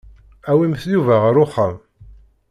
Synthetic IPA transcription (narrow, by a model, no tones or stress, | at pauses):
æwimθjuvæʁəɾʊχːəm